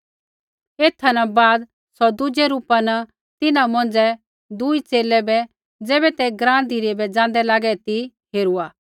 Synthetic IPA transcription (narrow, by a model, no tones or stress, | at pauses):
eːt̪ʰanɐbaːd̪ | sɔd̪ʊd͡ʒɛɾuːpanɐ | t̪ɪnãmɔ̃nd͡zɛ | d̪ʊit͡seːlɛbɛ | d͡zɛːbɛt̪ɛɡɾãːd̪iːɾɛbɛd͡zãːnd̪ɛlaːɡɛt̪i | ɦeːɾuaː